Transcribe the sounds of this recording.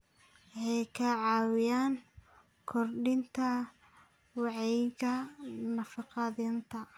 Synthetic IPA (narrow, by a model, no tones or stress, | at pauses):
wħɛjkʰɐʕɑːwɪjaːŋ | kʰɔrɖɪnt̪ʰɐ | wɑʕɛjɣɐnɐfɑqɑðɪnt̪ʰɐ